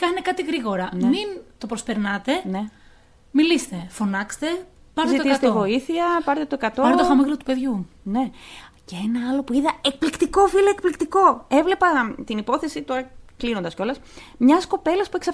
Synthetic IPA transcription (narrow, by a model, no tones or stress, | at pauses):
kɐnekɐt̪iɣɾiɣo̞ɾɐnmint̪o̞pɾospe̞ɾnɐt̪e̞ne̞ | milist̪e̞fo̞nɐkst̪e̞pɐɾt̪ezit̪otisst̪eivo̞iθiɐpɐɾt̪et̪oekɐt̪oɾnt̪ofɐmiɣlot̪upe̞ðʝune̞ceenɐɐlo̞puiðɐek̚plikt̪iko̞filoekplikt̪iko̞e̞vle̞pɐt̪inipo̞θesit̪o̞ɾɐklinond̪ɐsco̞lɐs | mɲɐsko̞pe̞lɐspueksɐ